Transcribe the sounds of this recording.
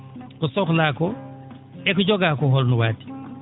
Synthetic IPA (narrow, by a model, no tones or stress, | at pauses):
kusɔklakɔ | ɛkuɟɔɡakɔɦɔlnuwaːti̥